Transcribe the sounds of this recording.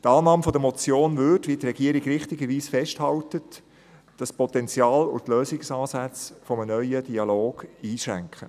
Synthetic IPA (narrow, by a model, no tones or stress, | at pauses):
tɑːnɑːmfɔd̪əmɔt͡sjoːnvʏtʋiːt̪ɾɛɡ̥iəɾɪɡɾɪχtɪɡəɾʋiːsfɛʃthɑltət | d̥ɑspɔtɛnt͡sjɑːlʊ̰tløːsɪksɑːsæt͡sfɔmənœʏəd̥iɑloːɡ̥iːʃɾæ̰ŋkχə